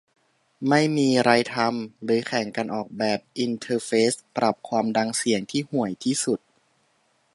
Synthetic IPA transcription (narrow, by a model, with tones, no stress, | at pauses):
ma˥˩jmiː˧ɾa˧jt̪ʰa˧mɾɯː˩˦kʰɛ˩˦ŋkaː˧nʔɔː˨˩k̚bɛː˨˩p̚ʔi˧nt̪ʰɤː˧feː˦˥spɾa˨˩p̚kʰwaː˧mda˧ŋsi˨˩˦əŋt̪ʰiː˥˩hu˨˩əjt̪ʰiː˥˩su˨˩t̪̚